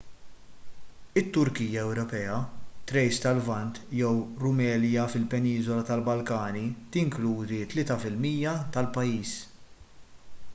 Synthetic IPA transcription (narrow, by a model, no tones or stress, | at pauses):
ɪt̪ːʊɾkiːjːɐɛwɾɔpɛːɐt̪ɾɛjst̪ɐlvɐnt̪jɛwɾʊmɛːljɐfɪlpɛniːzɔlɐt̪ɐlbɐlkɐːnit̪ɪŋkluːd̪it̪ːlɪːt̪ɐfɪlmiːjjɐt̪ɐlpɐjiːs